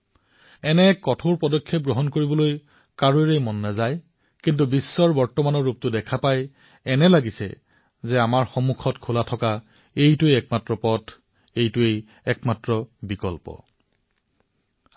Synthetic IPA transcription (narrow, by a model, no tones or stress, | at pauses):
ɛnɛkɔtʰoɹpɔdɔkʰːep̚ɡɹoɦɔnkoɹibɔloj | kaɹoeɹejmɔnːazaj | kint̬ubisːɔɹbɔɹtɔmanɔɹup̚tʊdɛkʰapaj | ɛnɛlaɡisɛ̰ | zɛamaɹxɔmukʰɔtkʰulatʰɔka | ejtʊeɛk̚matɹɔpɔtʰ | ejtʊej | ɛkmatɹɔbikɔlpɔ̰